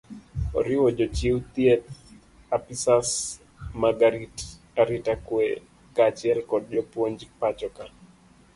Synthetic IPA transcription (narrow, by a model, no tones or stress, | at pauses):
ɔ̰ɾɪwɔd͡ʒɔt͡ʃiwt̪iɛt̪̚ | apisas | maɡaɾit | aɾitakwɛ | kat͡ʃɛlkɔd̚d͡ʒɔpwoɲd͡ʒik̚pat͡ʃɔka